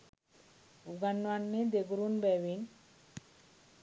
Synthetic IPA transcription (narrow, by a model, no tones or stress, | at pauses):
uɡanwanːed̪eɡuɾunbɛwin